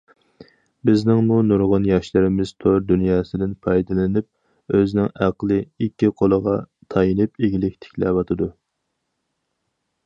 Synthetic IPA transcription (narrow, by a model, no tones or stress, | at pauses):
bɪznɪŋmunuɾʁʊnjɑʃlɪɾɪmɪz̥t̪ʰoɾd̪ynjɑːsɨd̪ɪnpʰɑjd̪ɨlˠɪnɪp̚ | øznɪŋæqlˠɨikʲːiqʰolˠəʁɑt̪ʰɑjinɨp̚eɡʲilɪkʲt̪ʰɪ̥kʲlɛ̰vɑt̪ʰɨd̪u